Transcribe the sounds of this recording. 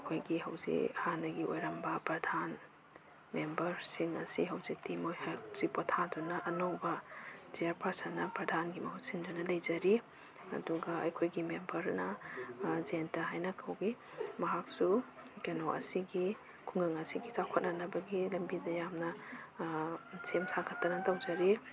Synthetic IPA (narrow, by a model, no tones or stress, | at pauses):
ɐkʰojɡiɦɐwzḭhanɐɡiʔojɾɐmbɐpɾɐdʱan | membɐɾsiŋɐ̰siɦɐwzik̚timojhz̥ipotʰadɔnɐʔɐnowbɐd͡ʒiaɾpɐɾsanɐpɾɐdʱanɡimɐhut̚sindɾɐnɐlɐjd͡ʒɐɾi | ɐ̰duɡɐɐ̰jkʰojɡimembɐɾnɐ | zentɐɦajnɐkʰɐwɡi | mɐɦak̚sukenoʔɐ̰siɡi | kʰuŋɐŋɐsiɡit͡ʃakʰot̚nanɐbɐɡilɐmbidɐjamnɐ | semsʰakʰɐtːɐnɐtawzɐɾi